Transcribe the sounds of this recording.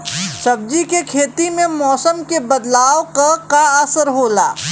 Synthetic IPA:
sɐb̚d͡ʒikekʰeːt̪imẽmɔːsəmkebɐd̪laːwkakaəsəɾɦoːla̰ː

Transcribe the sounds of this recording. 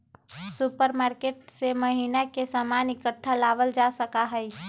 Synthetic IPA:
supəɾmaːɾkeʈseməɦiːnakesaːmaːnɪkəʈʰːalaːʋəld͡ʒasəkaɦəi

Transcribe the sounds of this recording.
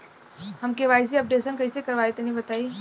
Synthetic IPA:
ɦɐmkeʋaːɪs̬iɐp̚ɖeːsənkɐĩsekɐɾʋaːet̪enɐɦĩbɐt̪aːiː

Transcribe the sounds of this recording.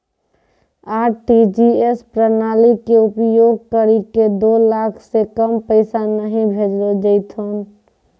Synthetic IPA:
aːʈid͡ʒiespɾənaːlikeʊpjoːɡ̚kəɾiked̪olakʰsekəmpəɪsanəɦĩbʱed͡ʒɾed͡ʒəɪt̪ʰɦon

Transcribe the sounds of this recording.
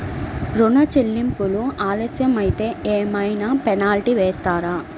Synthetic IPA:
ɾunɐt͡ʃilːimpuluaːlɐsjɐmɐjit̪e̞ːʔeːmɐjnaːpɛnaːlʈiʋeːst̪aːɾaː

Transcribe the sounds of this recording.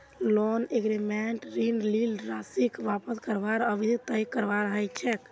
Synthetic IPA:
lonekɾemɛʈɾinlilɾasikʋapəskəɾʋaɾəbʱid̪t̪əjkəɾʋaɾəɦət͡ʃʰɛk

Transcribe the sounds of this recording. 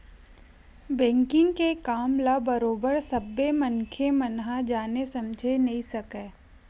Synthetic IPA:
bɛ̃ːŋkɪ̃ŋɡkekaːmlabɐɾoːbəɾsɐbːemɐnkʰemɐnɦad͡ʒaːnesɐmd͡ʒʱenɐɦĩsɐkeː

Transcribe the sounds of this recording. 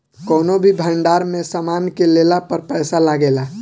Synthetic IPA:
kɔːnobʱibʱəɳɖaːɾmẽsaːmaːnkeleːlapəɾpɛːsalaɡeːla

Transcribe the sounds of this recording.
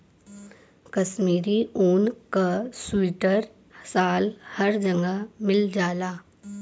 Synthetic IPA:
kɐʃmiːɾioːnkasuɪʈəɾ | saːlhɐɾd͡ʒɐ̃ŋɡamɪld͡ʒaːlaː

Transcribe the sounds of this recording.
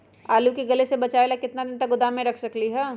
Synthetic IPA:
aːlukeɡɐlesebɐt͡ʃaːeːlakɪt̪nad̪ɪnt̪ɐk̚ɡʊd̪aːmẽɾɐkʰsɐkliɦɛː

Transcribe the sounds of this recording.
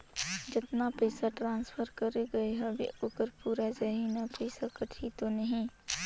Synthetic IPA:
d͡ʒɪt̪napɛɪsaʈɾãːnspʰəɾkəɾeɡɐeɦɛbḛʔoːkəɾpuːɾad͡ʒaɦiːnapɛɪsakəʈ̪ʰit̪onɐɦĩ

